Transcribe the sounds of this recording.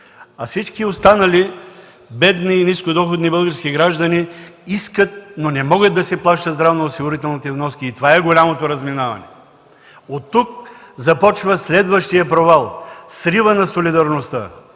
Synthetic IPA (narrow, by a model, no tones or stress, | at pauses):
ɐsit͡ʃkiost̪anɐli | bɛd̪niːniskod̪ɔxod̪nibɤlˠɡəɾskiɡɾaʒd̪ɐniiskət̪̚nonɛmɔɡəd̪̚d̪ɐsɛplˠaʃt̪əd̪zd̪ɾavnoːsiɡʊɾit̪ɛlˠnit̪ɛvnɔskiːt̪ovaɛɡolʲamot̪oɾɐzminavɐ̰nɛ | ot̪ːuk̚zɐpɔt͡ʃvəslɛd̪vəʃt̪ijəpɾovalˠsɾivənɐsolid̪ɐɾnost̪ə̰